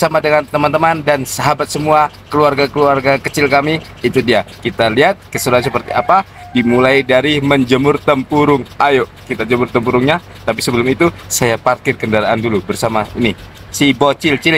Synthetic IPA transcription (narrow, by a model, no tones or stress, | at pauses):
samadəŋant̪əmant̪əmandansaɦabat̪̚səmua | kəluarɡakəluarɡakət͡ʃɪlkamiː | t̪udiakit̪aliɦat̪̚kəsuɾuansəpərt̪iapa | dimulaidaɾiməɲd͡ʒəmʊrt̪əmpuɾʊŋajoʔkit̪ad͡ʒəmʊrt̪əmpuɾʊŋɲa | t̪ap̬isəbəlʊmit̪usajaparkɪrkəndaɾaʔandulubərsamaini | sibot͡ʃɪlt͡ʃil